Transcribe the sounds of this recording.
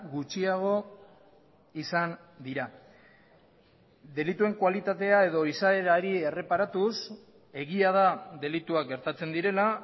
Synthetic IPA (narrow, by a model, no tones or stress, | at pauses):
ɣut͡ʃiaɣ̞o̞ | isand̪iɾa | d̪e̞lit̪ue̞ŋkwalit̪at̪e̞ae̞ðo̞isae̞ɾaɾie̞re̞paɾat̪us | e̞ɣiað̞aðe̞lit̪uakɡe̞ɾt̪at͡se̞nd̪iɾe̞la